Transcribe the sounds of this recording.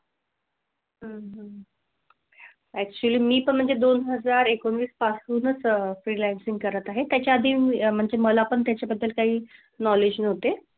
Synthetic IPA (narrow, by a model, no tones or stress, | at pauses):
ɦəɦə | æk̚t͡ɕuəliːmiːpəɳm̤əɳd͡zed̪onɦəd͡zaɾekonʋiːspat͡suːnət͡sfɾilænsiŋɡ̚kəɾət̪aɦet̪jat͡ɕjaːd̪ʱiːm̤əɳd͡zeməlapəɳt̪jat͡ɕjabəd̪ʱːəlkaɦiː | nɔled͡ʑnəɦot̪e